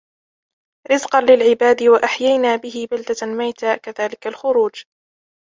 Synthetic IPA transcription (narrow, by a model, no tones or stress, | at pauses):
ɾɪzqɑnlɪlʕɪbaːd̪ɪwaʔaħjajnaːbɪɦɪbald̪almajt̪aːkaðaːlɪkalxʊɾuːd͡ʒ